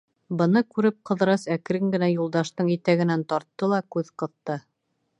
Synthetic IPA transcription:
bɤ̆nɤkʉɾɘp̚qɤ̆ðɾɑsækɾɘŋɡɘ̆næjulˠd̪ɑʃt̪ɤɴit̪æɡɘ̆nænt̪ɒɾt̪ːɤlˠɑkʉðqɤ̆ðt̪ɤ

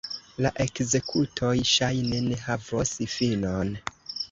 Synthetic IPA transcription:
laʔe̞kze̞kʰutʰo̞jʃajnene̞ɦavosfinon

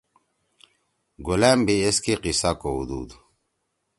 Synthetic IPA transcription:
ɡulambieskiqisakoɦṵd̪ṵːd̪

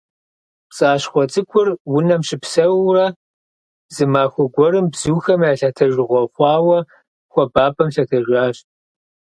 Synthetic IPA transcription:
t͡sʼaːɕχʷɔt͡sʼɨkʷʰʊrwʊnɐmɕɪpsɐwrɐ | zɨmaːxʷɔɡʷɔɾɨmbz̥uːxɐmjaːɬɐtʰɐʒɪʁʷɔχʷɑːwɐ | xʷɔbaːpʰʼɐmɬɐtʰɐʒʷaːɕ

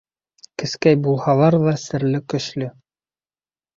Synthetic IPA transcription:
kɘ̆skæjbulˠhɑlˠɑɾðɑsɘ̆ɾlɘkɵ̆ʃlɵ

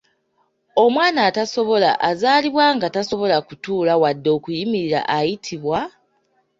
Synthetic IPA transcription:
omwaːnaːtaso̞βo̞la̰ʔazaːliβwaːŋɡataso̞βo̞lakutuːlawadːo̞ːkujimiɾiɾa̰ʔajitʰiβwa

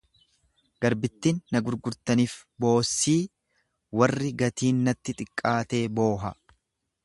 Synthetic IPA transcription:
ɡ̥ɐɾbɪt̪ːiːnːɐɡʊɾɡʊɾt̪ɐniːfbo̞ːsːiː | wɐrːɪɡɐt̪iːnːɐt̪ːɪt̪ʼɪkʼːaːt̪e̞ːbo̞ːɦɐ

